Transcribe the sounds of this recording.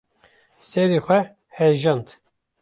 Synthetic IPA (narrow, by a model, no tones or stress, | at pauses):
sɛɾixʷɛ | hɛʒɑnd̪